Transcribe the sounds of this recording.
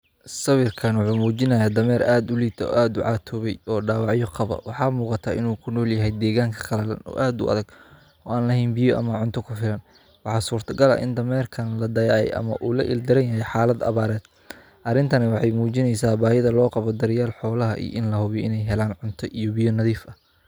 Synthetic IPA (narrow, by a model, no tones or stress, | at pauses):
sɐβɪrkʰɐnwʊħuːmuːt͡ʃɪnɐjaːd̪ɐmɛːɾaːd̪ʊliːt̪ʰɔ̰ːʔaːd̪ʊʕɑːt̪ʰɔβɛjɔːɖaːwɑʕjɔqɑβɐ̰wɑħɑːmuːqɑt̪ʰaːʔɪnuːkʰʊnɔːljɐɦɛjd̪ɛːɣaːŋkʰɐ̥qɑlɐlɐ̰nɔ̰ːʔaːd̪ʊ̰ʔɐ̰ðɐɡ | ɔːaːnlɐɦɛnbɪjɔʔɐ̰mɐʕʊnt̪ʰɔkʰʊfɪlɐn | wɑħɑːsuːrt̪ʰɐɡɐlɐ̰ʔɪnd̪ɐmɛːrkʰɐnlɐd̪ɐjaʕɛ̰jʔɐ̰mɐ̰ʔuːlɐ̰ʔɪ̰ld̪ɐɾɐnjɐɦɛjħɑːlɐd̪ɐ̰βaːɾɛːd̪ | ʔɐrɪnt̪ʰɐnɪwɑħɑjmuːt͡ʃɪnɛjsaːbaːhɪðɐlɔːqɑβɔd̪ɐɾɪjaːlħɔːlɐɦɐʔḭʔɪnlɐɦʊβiʔɪnɛjɦɛlaːnʕʊnt̪ʰɔʔijɔbɪjɔnɐðiːfɐ